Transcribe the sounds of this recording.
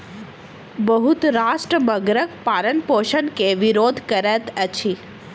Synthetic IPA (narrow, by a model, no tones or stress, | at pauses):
bəɦut̪ɾaʃʈɾəbəɡɾək̚paɾənpoʃənkeʋiɾod̪ʱkəɾet̪ət͡ʃʰi